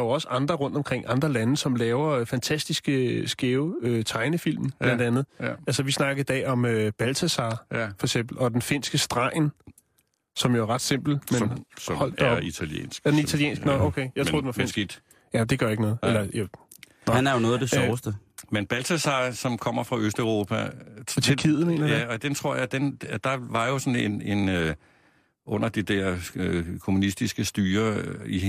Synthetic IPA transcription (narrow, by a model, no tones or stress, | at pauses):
jo̝ɒ̽səʔɑ̈nd̥ʁɐʁɔ̽n̰d̥ɒ̽mkʰʁeŋ̰ʔɑ̈nd̥ʁɐlænəsɒ̽mlɛːʊɐfænt͡sʰæsd̥isɡ̥əsɡ̥eʊøt͡sʰɑ̈ɪnəfil̰mn̩lænd̥ænð̩ˠælsɐʋisnɑ̈ɡ̥ɐð̩ˠid̥ɛ̰ːɒ̽møb̥ælt͡sʰæsɑ̈ːfɒ̽ɐeɡ̥sem̰b̥l̩ɒ̽d̥enfe̝n̰sɡ̥əsd̥ʁɑ̈ɪ̰n | sɒ̽mjoæʁɑ̈d̥se̝m̰b̥l̩menhɒ̽l̰d̥ɒit͡sʰæljḛːnsɡ̥d̥enit͡sʰæljḛːnsɡ̥ənɔokʰejɑt͡so̰ð̰ˠd̥enʋɑfen̰sɡid̥ | jæd̥e̝ɡ̥ɶɐjeɡənɔ̽ːð̩ˠelɐjæ | hænæɐjonɔ̽ːð̩ˠd̥sɒːsd̥əmenb̥ælt͡sʰæsɑsɒ̽mkʰɒ̽m̰ɐfʁɑ̈ʔøsd̥øʊʁo̝ːpʰæt͡sʰekʰið̰ˠnḛːnæjæɒd̥ent͡sʰʁo̝ɐ̰jɑ̈d̥end̥ɑ̈ʋɑ̈jo̝sɒ̽nene̝nø | ʔɔ̽n̰ɐd̥id̥ɛɐ̰økʰo̝munisd̥isɡ̥əsd̥yːɐi